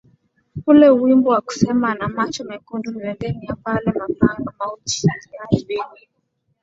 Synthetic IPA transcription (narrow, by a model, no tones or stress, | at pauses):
ulɛuwimbɔwaku̥sɛmanamat͡ʃɔmɛkundumiwɛŋɡɛniapalɛmakanɔmaut͡ʃi̥aniaiwini